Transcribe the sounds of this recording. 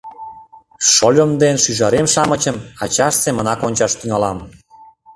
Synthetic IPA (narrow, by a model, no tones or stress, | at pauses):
ʃolʲomd̪enʃyʒɑɾemʃɑmət͡ɕə̆mɑt͡ɕɑʃsemənɑkonʲt͡ɕɑʃt̪yŋɑlɑm